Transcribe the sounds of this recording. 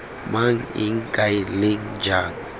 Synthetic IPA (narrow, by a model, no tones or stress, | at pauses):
maŋḭŋkajliŋ | d͡ʒaŋ